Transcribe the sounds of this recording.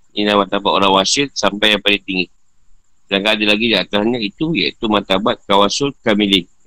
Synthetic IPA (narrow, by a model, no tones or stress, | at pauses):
inamat̪abat̪oɾaŋwasɪtsampajapadit̪iŋi | daŋkadilaɡidiat̪ahɲait̪ujait̪umat̪abat̪̚kawasʊlkamilɪ